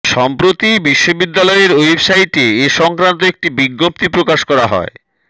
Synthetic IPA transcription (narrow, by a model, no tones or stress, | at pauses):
ʃɔmpɾot̪ibiʃːobid̪ːalɔeɾoejbsajʈeeʃɔŋkɾant̪̬oek̚ʈibiɡːop̚t̪ipɾokaʃkɔɾaɦɔ̰e